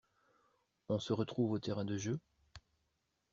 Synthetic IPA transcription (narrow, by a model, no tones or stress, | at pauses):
ɔ̃səʁət̪χuvot̪eʁɛ̃d̪əʒø